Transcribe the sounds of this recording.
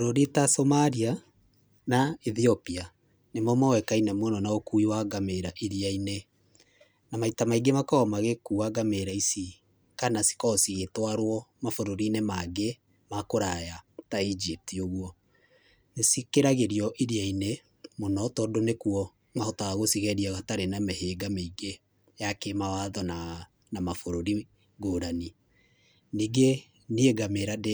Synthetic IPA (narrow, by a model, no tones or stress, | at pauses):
foɾoɾitasomaɾia | naiθiɔpia | nemɔmɔwɛkainɛmwɛnɔnaokuiwaɡameɾaʔiɾiaine | namaitamaiɡemakaɔmaɣekuaɡameɾaisi | kanasi̥kɔsiɣetwaɾwɔmafoɾoɾinemaɡe | makoɾajataid͡ʒip̚tioɣwɔ | nesikeɾaɣeɾiɔʔiɾiaine | monɔtɔdonekuɔ | ŋahotaɣaɣosiɣɛɾiaɣataɾenameheɡameiɡe | jakemawaðɔna | namafoɾoɾi | ɡoːɾani | niːɡe | nieɡameɾade